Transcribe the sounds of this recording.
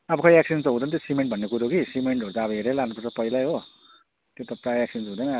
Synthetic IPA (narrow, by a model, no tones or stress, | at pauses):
ʌbʌkʌjek̚sinsʌɦũd̪ʌnt̪josimeɳʈ̚bʱʌnːekuɾokisimeɳʈɦoɾut̪aːbʌɦeɾelanupʌrt͡sʌpʌilajɦo | t̪jot̪ʌpraek̚sinsɦũd̪ʌn